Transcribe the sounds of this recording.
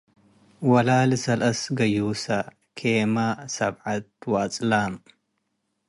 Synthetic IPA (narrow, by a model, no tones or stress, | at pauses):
wɐlaːlɨsɐlɐsɡɐjuːsɐ | kʰemasɐbʕat̪̚wat͡sʼlam